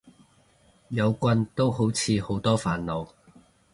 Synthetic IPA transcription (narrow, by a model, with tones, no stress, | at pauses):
jɐ˨˧wkʷɐ˧nt̪o˥wɦo˨˥wt͡sʰiː˨˧ho˨˥wt̪ɔː˥faː˨˩nlo˨˧w